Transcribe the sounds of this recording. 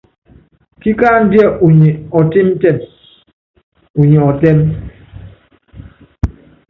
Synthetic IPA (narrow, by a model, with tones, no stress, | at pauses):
ki˦kaː˦n̩˦di˦ɛ˦ʔu˨ɲɛ˨ɔ˨ti˦m˦tɛ˦˨m | u˨ɲɛ˨ɔ˨tɛ˦m